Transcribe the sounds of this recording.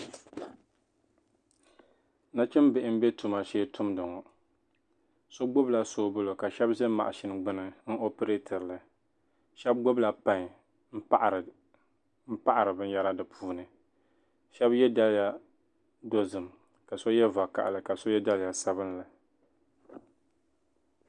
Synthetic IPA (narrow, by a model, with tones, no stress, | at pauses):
na˦t͡ʃɪ˦m˦bɪ˨ʔɪ˦m̩˦bɛ˦tu˨ma˨ʃeː˦tʊ˦mdɨ˨ŋɔ˨ | so˦ɡ͡bʊ˦bla˨so˦bʊ˦lo˨ka˨ʃɛ˦bzɛ˦ma̰˨ʔa˨ʃɪ˦n˨ɡ͡bɨ˦nɨ˨n̩˦ʔo˦pɨ˦ɾe˦tʰa˨ɾlɨ˨ | ʃɛ˦b̚ɡʊ˦bla˨pa˦ɲ˨ | m̩˦a˦ʔ | m̩˦pa˦ʔa˨ɾɨ˨bɨ˦n˦ja˦ɾa˦dɨ˨pʰuː˦nɨ˨ | ʃɛ˦bjɛ˦da˦lja˦ | do˦zɨ˨m | ka˨so˦jɛ˦va˨ka̰˦˨ʔlɨ˨ka˨so˦jɛ˦da˦lja˨sa˦βɨ˦nlɨ˨